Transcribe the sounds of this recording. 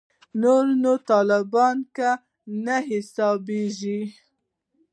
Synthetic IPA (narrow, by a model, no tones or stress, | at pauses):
noɾnot̪ɑlɪbɑnka | naɦɪsɑbeʒi